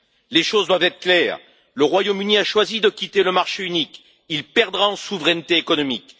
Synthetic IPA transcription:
leʃozd̪wavt̪ɛt̪χə̥klɛːʁ | ləʁwajomyniaʃwazid̪əkʲit̪eləmaʁʃeynik | ilpɛʁd̪ʁaɑ̃suvʁɛnt̪eːkɔnɔmik

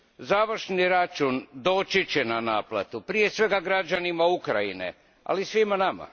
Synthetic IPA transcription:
zaːʋɾ̩ʃniɾat͡ʃund̪o̞ːt͡ʃit͡ɕenanaːpla̰t̪upɾije̞sʋe̞ɡaɡɾad͡ʑanimaukɾainḛ | a̰lisʋimanama̰

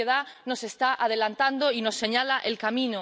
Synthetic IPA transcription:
eðanose̞st̪aʔað̞e̞lant̪and̪oinosːeɲalaʔelkamĩno

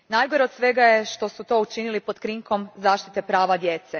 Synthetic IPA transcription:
naːjɡoɾeo̞d̪sʋe̞ɡajeʃt̪o̞sut̪o̞ut͡ʃinilipo̞d̪kɾiŋko̞mzaːʃt̪i̥t̪e̞pɾaːʋad̪je̞ːt̪se

